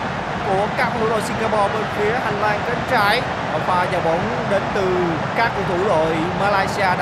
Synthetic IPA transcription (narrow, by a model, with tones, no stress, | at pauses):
ku˧˩əkaː˦˥k̚mu˧˨˦lo˧sï˧ŋɡaː˧pɔ˧ɓə˧nfi˨˦əha˧˩ŋlaː˧nkə˨˦ŋt͡ɕaː˧˦j | vaː˨˩zaː˨˩wɓə˨˦wŋ͡m | ɗe˨˦nt̪ɨ˨˩ | kaː˦˥k̚t̪ʰu˧˩lo̰˧˨j | maː˧laː˧jsi˧aː˧ɗ